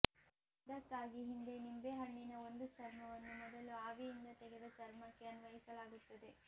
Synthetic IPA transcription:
ɐd̪ɐkːaːɡiɦind̪e̞nimbe̞ɦɐɳːinɐo̞nd̪ut͡ʃɐɾmɐʋɐnːumɔd̪ɐluaːʋiind̪ɐt̪ɛɡed̪ɐt͡ʃɐɾmɐkːe̞ɐnuʋɐjisɐlaːɡut̪ːɐd̪e̞

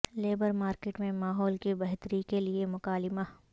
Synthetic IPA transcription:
leːbəɾmaːɾkeːʈmẽmaːɦɔːlkibɐɦt̪ɾikeliemʊkaːlɪma

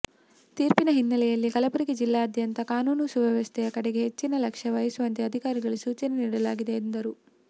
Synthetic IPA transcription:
t̪iːɾpinɐɦinːɐlɛjɐlːikɐlɐpuɾikid͡ʒilːaːɐd̪ʱjɐnt̪ɐkaːnuːnusubʱɐʋɐst̪ʰɛjɐkɐɽeɡe̞ɦet͡ʃːinɐlɐkʂɐʋɐjɐsuʋɐnt̪eɐd̪ʱikaːɾiɡɐɭusuːt͡ʃɐneniːɽɐlaːɡid̪e̞ːnd̪ɐɾu

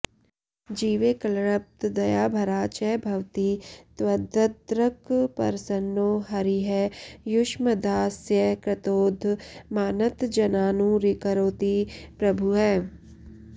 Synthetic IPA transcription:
d͡ʒiːʋeːkɐlɾəp̚t̪d̪ɐjaːbʱɐɾaːt͡ʃɛbʱɐʋt̪it̪wɐd̪ʱət̪ɾəkpɐ̰ɾsənːoːɦɐɾiɦɛjʊʃməd̪aːsjəkɾɪt̪oːd̪ʱmaːnət̪d͡ʒɐnaːnuɾɪkəɾoːt̪ipɾɐbʱuɦɛː

